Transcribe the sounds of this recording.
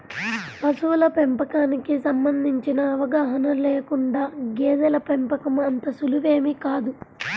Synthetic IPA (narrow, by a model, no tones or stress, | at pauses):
pɐsuʋlɐpempɐkaːnikisɐmbɐnd̪ʱiɲt͡ʃinɐɐʋɐɡaːɦɐnɐleːkuɳɖaːɡeːd̪ɐlɐpempɐkɐmɐnt̪ɐsuluʋe̞ːmikaːd̪u